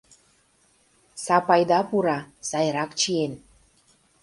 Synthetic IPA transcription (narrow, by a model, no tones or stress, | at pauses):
sɑpɑjd̪ɑpuɾɑsɑjɾɑkt͡ɕien